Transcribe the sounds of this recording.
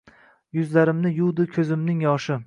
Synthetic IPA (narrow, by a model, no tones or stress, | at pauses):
jʊzlaɾɪmnɪjud̪ɪkʲʰɵzɪmnɪŋjɒʃɪ